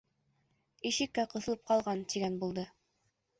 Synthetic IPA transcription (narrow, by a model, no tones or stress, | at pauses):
iʃɘ̆kːæqɤ̆θɤ̆lˠɤp̚qɑlˠʁɑnt̪iɡænbulˠd̪ɤ